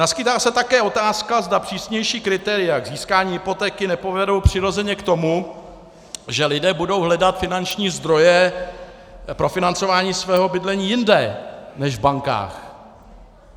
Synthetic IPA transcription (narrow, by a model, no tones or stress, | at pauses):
naskɪt̪aːsɛt̪akɛːo̞t̪aːskazdapr̥iːsɲɛjʃiːkɾɪt̪ɛɾɪjaɡziːskaːɲiːɦɪpo̞t̪ɛːkɪnɛpo̞vɛdo̞wpr̥ɪɾo̞zɛɲɛkt̪o̞mu | ʒɛlɪdɛːbudo̞wɦlɛdat̪fɪnant͡ʃɲiːzd̪ɾo̞jɛ | pɾo̞fɪnant͡so̞vaːɲiːsvɛːɦo̞bɪdlɛɲiːjɪndɛnɛʒvbaŋka̰ːx